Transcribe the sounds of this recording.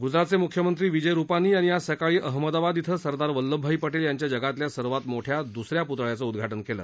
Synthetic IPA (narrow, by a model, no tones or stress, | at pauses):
ɡud͡zɾat̪̚t͡semukʰjəmənt̪ɾiːʋid͡ʑəjɾupaniːañijasəkaɭiːʔəɦməd̪abad̪it̪ʰəsəɾd̪aɾʋəlːəbʱːaiːpəʈeːljaɲt͡ɕjad͡ʑəɡat̪ljasəɾʋat̪moʈʰjad̪usɾjaput̪ɭjat͡səud̪ɡʱaʈənkelə̰ː